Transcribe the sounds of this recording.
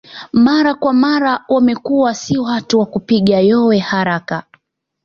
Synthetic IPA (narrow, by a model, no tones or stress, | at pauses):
maɾakwamaɾawamɛkuwasiwatuwakupiɠajɔwɛhaɾaka